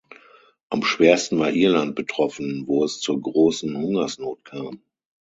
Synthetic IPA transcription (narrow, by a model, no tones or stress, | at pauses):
ʔamʃv̥eːɐstn̩vaːɐʔiːɐlant̚b̥ətʁ̥ɔfn̩voːɛst͡suːɐɡʁoːsn̩hʊŋɐsnoːtkʰaːm